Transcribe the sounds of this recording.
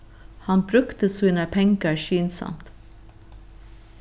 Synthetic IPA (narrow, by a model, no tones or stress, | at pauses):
hɑnbɾʉkt̪əsiːnəpʰɛŋɡəɾʃiːnsɑ̰mt̪